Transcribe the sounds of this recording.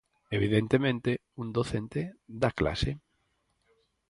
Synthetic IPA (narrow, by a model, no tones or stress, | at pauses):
eβ̞iðent̪emẽnt̪e | ũnd̪oθent̪eðakla̰se